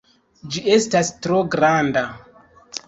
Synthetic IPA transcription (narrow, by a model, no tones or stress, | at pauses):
d͡ʒie̞stastɾo̞ɡɾanda